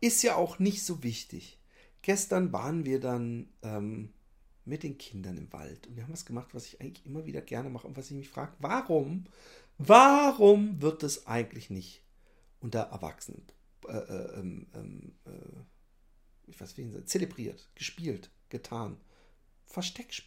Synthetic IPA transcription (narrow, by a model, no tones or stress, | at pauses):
ʔɪstjaːʔaʊxnɪçtz̥oːvɪçtɪ̰ç | ɡ̥ɛstɐnva̰ːʁənviːɐdanʔɛːm | mɪt̚d̥eːnkʰɪndɐnɪ̰mva̰ltʊntv̥iɐham̩vasɡ̥əmaχtv̥asɪ̥çʔaɪɡŋ̩tlɪçʔɪmɐvḭːdɐɡɛɐnəmaχəʔʊntv̥asɪçmɪçfʁ̥a̰ːɡ̥əvaʁʊm | vaʁʊmvɪɐt̚d̥asʔa̰ɪɡŋ̩tlɪçnɪçt | ʔʊntɐʔɛ̰ɐva̰ksənə̰ | ʔɛ̰ːʔɛ̰ːʔɛ̰ːmʔɛ̰ːmʔɛ̰ː | ʔɪçv̥a̰ɪsv̥inza̰t͡selebʁiːɐtɡ̥əʃpiːlt | ɡ̥ətʰaːn | fɛɐʃtɛkʃ